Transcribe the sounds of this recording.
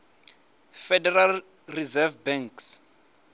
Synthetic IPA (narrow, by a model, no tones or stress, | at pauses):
fɛdɛral | rizɛvbɛ̃ŋks